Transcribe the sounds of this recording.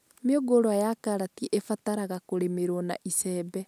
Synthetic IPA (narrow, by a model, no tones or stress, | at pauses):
meoɡoɾwajakaɾatiʔefataɾaɣakoɾemeɾwɔna̰ʔisɛːbɛ